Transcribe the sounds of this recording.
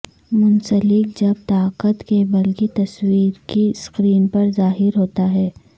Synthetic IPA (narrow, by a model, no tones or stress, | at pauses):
mʊnsəlɪk̚d͡ʒɐb̚t̪aːqət̪kebɐlket̪ɐswiːɾkiskɾiːnpɐɾzaːɦɪɾɦoːt̪aɦɛː